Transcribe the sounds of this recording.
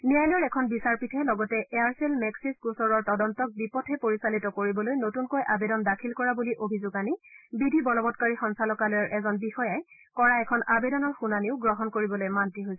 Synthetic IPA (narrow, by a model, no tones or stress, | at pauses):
nijajlɔɹɛkʰɔnbisaɹpitʰɛlɔɡɔtɛʔeaɹsɛlmɛksiskusɔɹɔɹtɔdɔntɔk̚bipɔtʰɛpoɹisalitɔkoɹibɔlojnotunkojʔabedɔndakʰilkɔɹabuliʔobʱizʊɡanibidʱibɔnɔbɔtkaɹixɔnsalɔkalojaɹʔɛzɔnbixɔjaj | kɔɹaɛkʰɔnabedɔnɔɹxunaniʊɡɹɔɦɔnkoɹibɔlojmantiɦojsɛ